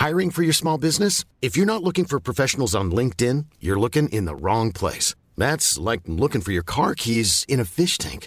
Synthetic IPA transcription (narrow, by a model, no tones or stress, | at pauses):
haɪɹɪ̃ŋfə˞jə˞smɔlˠbɪznɨs | ɨfjə˞nətˡlʊkɪ̃ŋfə˞pʰɹ̥ɔfɛʃn̩l̩ˠzn̩lɪ̃ŋk̚tɪ̃njə˞lʊkɪ̃ŋʔɪ̰̃nðə̰ɹɔ̃ŋpʰl̥ḛɪs | ðætslaɪk̚lʊkɪ̃ŋfə˞jə˞kʰɑɹkʰizɨ̃ñɨfɪʃtʰæ̰̃ŋk